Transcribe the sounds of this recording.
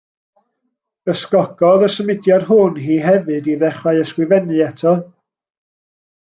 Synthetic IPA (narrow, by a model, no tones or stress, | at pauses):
əskɔɡ̥ɔðəsəmɪdjad̥hʊnɦiːɦɛvɨdiðɛχaɨəskwɪvɛnɨɛtʰɔ